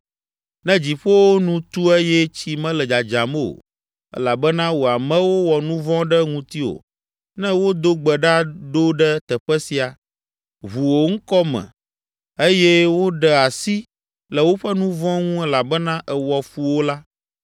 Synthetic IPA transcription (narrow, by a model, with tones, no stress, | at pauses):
nɛ̃˦d͡ʑi˨ɸo˦wo˦nũ˦t̪u˦ɛ˦jɛ˦t͡ɕi˦mɛ̃˦lɛ˨d͡ʒa˨d͡ʒa˨m˦o̰˨ | ɛ̰˦la˨bɛ˦nã˦wo˨a˨mɛ̃˦wo˦wɔ˨nũ˦vɔ̃˦ɖɛ˦ŋũ˨t̪i˦o̰˨ | nɛ̃˦wo˦d̪o˦ɡ͡bɛ˨ɖa˦ɖo˦ɖɛ˦t̪ɛ˨ɸɛ˦si˨a˨ | βu˨wo˨ŋ̩˦kɔ˦mɛ̰̃˨ | e˦jɛ˦wo˦ɖɛ˨a˨si˦ | lɛ˨wo˦ɸɛ˦nũ˦vɔ̃˦ŋũ˦ɛ˦la˨bɛ˦nã˦ʔɛ˨wɔ˨fu˨wo˦la˦